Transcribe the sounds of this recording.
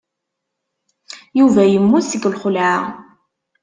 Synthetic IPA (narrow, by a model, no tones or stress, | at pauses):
juvæjəmːusəɡəlχʊla